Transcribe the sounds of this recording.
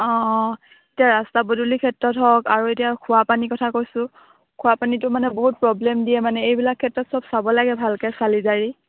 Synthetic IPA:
ɔ̃ | etijaɹastabodulikʰɛtɹɔtɦɔkaɹuetijakʰʊwapanikɔtʰakojsʊ̃ | kʰʊwapanitʊmanɛboɦut̚pɹɔblɛmdiɛmanɛejbilakʰːɛtɹɔtsɔbsabɔlaɡɛbʱalkɛsalizaɹi

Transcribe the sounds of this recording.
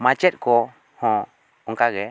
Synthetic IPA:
mat͡ʃɛt̪̚ˀkɔ | hɔ̃ | ɔŋkaɡɛ

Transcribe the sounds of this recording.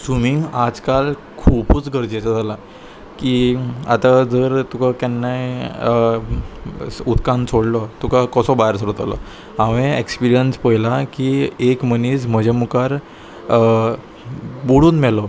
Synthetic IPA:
sumiad͡zkal | kʰupuːt͡sɡʱəɾd͡ʑesad͡zʱala | kia̰t̪ad͡zəɾt̪ukakɛnːaj | ut̪kãnsʰoɽlɔt̪ukakɔsɔbajəɾsəɾut̪alɔ̰ | aʋẽekspiɾijənspəɦilakiekməniːsməd͡ʑamukaɾ | buɽuːnmɛlɔ

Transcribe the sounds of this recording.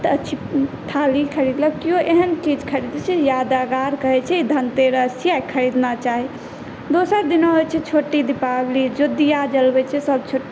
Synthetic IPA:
t̪ət͡ʃʰit̪ʰalikʰəɾid̪ləkkːioʔeɦənt͡ʃid͡ʒkʰəɾid̪t͡ʃʰɛjad̪aɡaɾkəɦɛt͡ʃʰɛid̪ʱənt̪eɾəsijajkʰəɾid̪nat͡ʃaɦi | d̪osəɾd̪inoɦot͡ʃʰɛt͡ʃʰoʈːid̪ipablid͡ʒod̪ijad͡ʒəlbɛt͡ʃʰɛsəb̚t͡ʃʰoʈ

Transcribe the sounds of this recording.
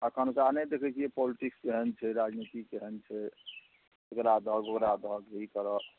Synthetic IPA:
əkʰənsaned̪ekʰɛt͡ʃʰiepɔliʈikskeɦənt͡ʃʰɛɾad͡ʒnit̪ikeɦənt͡ʃʰɛ | okɾad̪ʱəɡokɾad̪ʱəɡɦikəɾə

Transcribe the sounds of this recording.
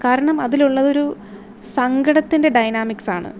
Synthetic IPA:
kaːɾɐɳɐmɐðiluɭːɐðo̞ɾu | sɐŋɡɐɽɐt̪ːinde̞ɖɐjnaːmiksaːɳɨ̰

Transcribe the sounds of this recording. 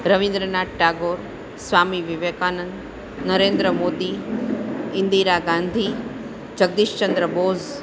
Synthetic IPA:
ɾɐʋĩnd̪ɾənaːʈʈaːɡoːɾ | sʋaːmiʋiʋekaːnənd̪ | nɐɾeːnd̪ɾəmoːd̪i | ɪnd̪iːɾaɡãːnd̪ʱiː | d͡ʒɐɡ̚d̪iːʃt͡ʃɐnd̪ɾəboːz

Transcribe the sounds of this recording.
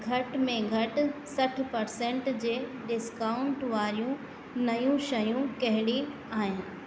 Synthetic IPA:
ɡʱɐʈmẽɡʱɐʈsɐʈʰpɐɾsẽːɳʈd͡ʑeːɗɪskaːʊ̃ɳʈʋaːɾijũ | nɐjũʃɐjũkɐɦɪɽi | aːɦɪ̃nɪ̆

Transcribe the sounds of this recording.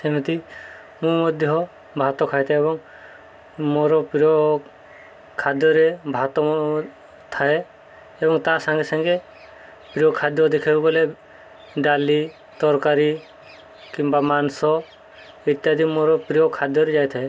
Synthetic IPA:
semit̪i | mũmɔd̪ʱjɔɦɔ | bʱat̪ɔkʰajt̪ʰaebɔŋ | moɾɔpɾijɔ | kʰad̪jɔɾebʱat̪ɔ | t̪ʰae | ebɔŋt̪asaŋɡesaŋɡe | pɾiɔkʰad̪jɔd̪ekʰebubɔle | ɖali | t̪ɔɾkaɾi | kimbamansɔ | it̪jad̪imoɾɔpɾijɔkʰad̪jɔɾed͡ʒajt̪ʰae

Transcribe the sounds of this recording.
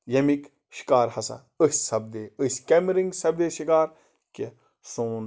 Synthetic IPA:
jɐmik | ʃi̥kaːɾhɐsɐ̰ | əsʲsɐb̚d̪eːəsʲkʲemɾiŋɡsɐbd̪eːʃikaːɾ | ke | soːn

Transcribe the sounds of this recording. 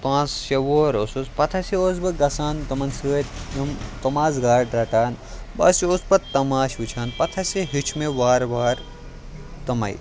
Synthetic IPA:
pãːsʃɐʋoːɾosuspɐt̪ʰɐseoːzbɐɡɐsaːnt̪ɐmɐnsɨːt̪ɐmt̪ɐmaːzɡaːɽɖɾaʈaːn | ba̰sioːspɐt̪ɐmaːʃut͡ʃʰaːnpɐt̪ʰɐseɦit͡ʃʰmeʋaːɾʋaːɾ | t̪ɐmɐ̰ḭ

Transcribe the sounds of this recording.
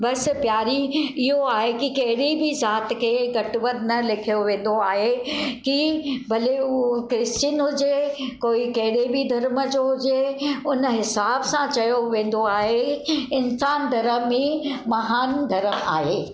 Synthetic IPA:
bɐspjaːɾiɪɦoaːɦekikɐɦɪɽibʱizaːt̪kʰeːɡɐʈʋət̪nɐlɪkʰijoʋẽːn̆d̪oaːɦekibʱɐleukɾɪst͡ɕɪnɦʊd͡ʑekoːikɐɦɪɽebʱid̪ʱɐɾməd͡ʑoɦʊd͡ʑeʊnɦɪsaːbsãt͡ɕɐjoʋẽːn̆d̪oaːɦeɪnsaːnd̪ʱɐɾəmẽmɐɦaːnɡʱɐɾəmaːɦeː

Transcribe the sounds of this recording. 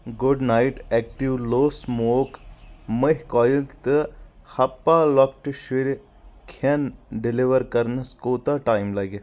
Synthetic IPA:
ɡuɖnaiʈɛk̚ʈiʋloːsmoːkməɦkɔːjlt̪ɨhɐpːaːlɔkʈʃiɾ | kʰenɖiliʋəɾkɐɾnɨskoːt̪aʈaːjmlɐɡe

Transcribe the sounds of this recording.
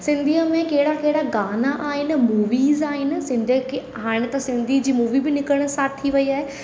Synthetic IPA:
sɪ̃nd̪ʱiəmẽkɐɦɪɽakɐɦɪɽaɡaːnaʔaːɦɪnɪ̆muːʋiːzaːɦɪn̆sɪ̃nd̪ʱiəkʰe | ɦaːɽ̃t̪ɐsɪ̃nd̪ʱid͡ʑiːmuːʋibɪnɪkəɽ̃̆saːt̪ʰːiʋɐiaːɦe

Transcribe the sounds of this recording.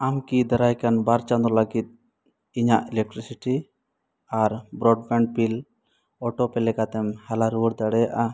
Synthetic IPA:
amkid̪ɛɾajkanbaɾt͡ʃand̪ɾɔlaɡit̪̚ | iɲaʔɛlɛk̚ʈɾisiʈi | aɾbɾɔɖbɛɳɖ̚pil | ɔʈɔpɛlɛkat̪ɛmhɛlaɾuuɽd̪aɽɛjaʔa

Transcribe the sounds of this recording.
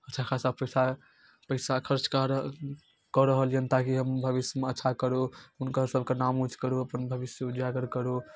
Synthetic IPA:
ətːt͡ʃʰakʰasapəjsa | pəɪsakʰəɾt͡ʃkaɾ | kɔɾəɦəljənt̪akiɦəmbʱəbisjəmeətːʃʰakəɾounkasəbʱkenamut͡ʃʰkəɾuəpənbʱəbisjəud͡ʒaɡəɾkəɾu

